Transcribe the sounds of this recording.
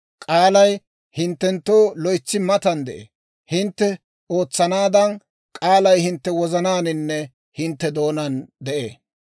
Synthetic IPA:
kʼaːlɐj | hɪnt̪ːɛnt̪ːo̞ːlɔjt͡sːɪmɐt̪ɐnd̪ɛʔḛː | hɪnt̪ːɛ | o̞ːt͡sːɐnaːd̪ɐn | kʼaːlɐjhɪnt̪ːɛwɔzɐnaːnɪnːɛ | hɪnt̪ːɛd̪o̞ːnɐnd̪ɛʔḛː

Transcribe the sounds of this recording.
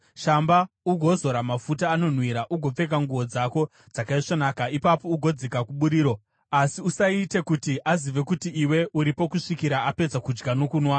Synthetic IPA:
ʃamba | uɡʱo̞zo̞ɾamafutaːno̞n̤wiɾaʔuɡʱo̞p͡fe̞k̬aŋɡuʋo̞d͡zako̞ | d͡zakaiʂonaːkaipapo̞uɡʱo̞d͡zekakuɓuɾiːɾo̞ | asiusaite̞kutiʔaziʋe̞kutiːwe̞uɾipo̞kuʂikiɾaʔape̞d͡zakud͡ʒɡano̞kuːnwa

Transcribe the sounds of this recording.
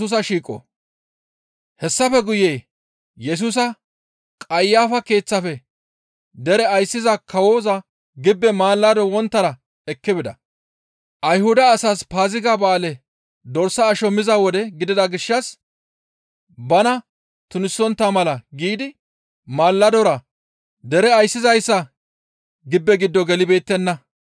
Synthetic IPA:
uːs̬ɐʃiːkʼːɔ̰ | hɛsːɐfɛɡʊjeː | jɛs̬uːs̬ɐ | kʼɐjːaːfɐke̞ːt͡sːɐfɛ | d̪ɛɾɛɐjsːɪzɐkʰɐwo̞ːzɐ | ɡɪbːɛmaːlːɐd̪ɔwɔnt̪ːɐɾɐ | ɛkːɪbɪd̪ɐ | ʔɐjhʊd̪ɐːsaspaːzɪɡabaːlɛ | d̪ɔɾsɐːʃɔmɪzɐwɔd̪ɛɡɪd̪ɪd̪ɐɡɪʃːɐs | bɐnɐ | t̪ʊnɪsːɔnt̪ːɐmɐlɐɡiːd̪ɪ | maːlːɐd̪ɔɾɐ | d̪ɛɾɛɐjsːɪzɐjsːɐ | ɡɪbːɛɡɪd̪ːɔɡɛlɪbe̞ːt̪ːɛnːɐ

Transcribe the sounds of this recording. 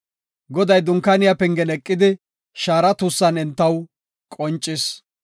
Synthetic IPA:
ɡɔd̪ɐjd̪ʊŋkːɐnɪjapɛŋɡɛnɛkʼːɪd̪ɪ | ʃaːɾɐt̪usːɐnɛnt̪ːɐw | kʼɔnt͡ʃʼːɪs

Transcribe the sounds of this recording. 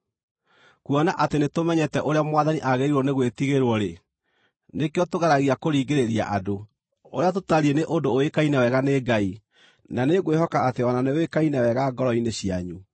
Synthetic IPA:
kuɔnaʔatenetomɛɲɛtɛʔoɾeamwaðaniʔaɣeɾiɾwɔneɣwetiɣeɾwɔɾe | nekeɔtoɣaɾaɣiakoɾiːɡeɾeɾia̰ʔado | oɾeatotaɾieneʔodoːekainɛwɛɣaneɡai | naneɣweɦɔkaateɔnanewekainɛwɛɣaɡɔɾɔineɕiaɲu

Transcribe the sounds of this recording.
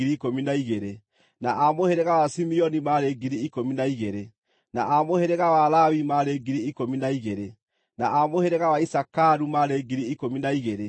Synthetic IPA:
ɾiːkominaiɣeɾe | na̰ʔamoheɾɛɣawasimiɔnimaɾeɡiɾiːkominaiɣeɾe | na̰ʔamoheɾɛɣawalawimaɾeɡiɾiːkominaiɣeɾe | na̰ʔamoheɾɛɣawaisakaɾumaɾeɡiɾiːkominaiɣeɾe

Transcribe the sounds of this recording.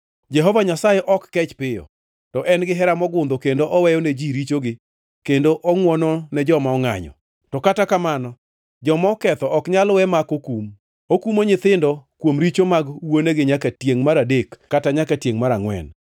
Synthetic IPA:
d͡ʒɛɦɔvaɲasajɛʔɔkːɛt͡ʃpɪjɔ̰ | tɔʔɛnɡɪɦɛɾamɔɡʊnd̪okendoʔɔwɛjɔned͡ʒiɾit͡ʃoɡɪ | kendoʔɔŋwɔnɔnɛd͡ʒɔmaɔŋa̰ɲɔ̰ | tɔkatakamanɔ | d͡ʒɔmɔkɛt̪ɔʔɔkɲalwɛmakokum | okumoɲɪt̪ɪndɔkwomɾit͡ʃomaɡwoneɡɪɲakatjeŋmaɾadekːataɲakatjeŋmaɾaŋwɛ̰n

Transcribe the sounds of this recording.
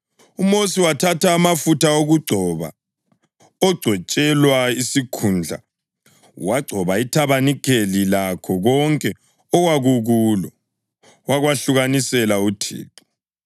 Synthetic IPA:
umosiwatʰatʰaːmafutʰaoɣuɡ͡ǀʱɔβa̰ | ɔɡ͡ǀʱɔt͡ʃʼɛlwaisikʰund͡ɮʱa̰ | waɡ͡ǀʱɔβaitʰaβanikʰelilakʰɔɣɔŋkʼɛ | ɔwaɣuɣuːlɔ | waɣwaɬuɣanisɛlautʰḭːǃi̥

